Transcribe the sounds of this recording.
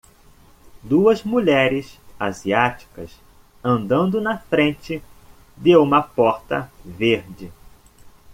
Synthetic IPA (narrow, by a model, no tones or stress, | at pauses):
d̪uɐzmuʎɛɾɪsaziat͡ʃi̥kɐ̰s | ɐ̃nd̪ɐ̃nd̪ʊnɐfɾẽnt͡ʃɪ | d̪ewũmɐpɔɾt̪ɐ̰veɾd͡ʒɪ